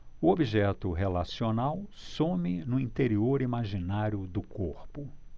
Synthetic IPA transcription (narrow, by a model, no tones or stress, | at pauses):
ʊobiʒɛt̪ʊɦelasionawsõmɪnʊĩnt̪eɾioɾimaʒinaɾjʊd̪ʊkoɾpʊ